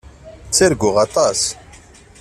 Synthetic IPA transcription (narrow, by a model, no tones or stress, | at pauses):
t͡sːeɾɡʊʁɑt̪ˤɑs